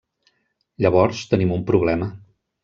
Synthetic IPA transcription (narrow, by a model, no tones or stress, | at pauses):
ʎəβ̞ɔɾst̪ənimumpɾuβ̞lɛmə